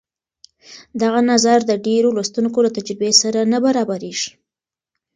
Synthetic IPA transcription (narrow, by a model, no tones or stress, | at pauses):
d̪aɣanazaɾd̪əɖeɾolast̪unkolat̪ad͡ʒɾɪbesaɾanabaɾɑbaɾeʒ̥i